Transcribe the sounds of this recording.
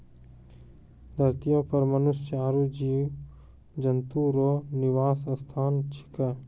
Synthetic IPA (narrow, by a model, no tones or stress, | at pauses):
d̪ʱəɾt̪ijõpəɾmənʊst͡ʃjaːɾud͡ʒiː | d͡ʒənt̪uɾoːnɪʋaːsəst̪ʰaːnt͡ʃʰɪ̥kə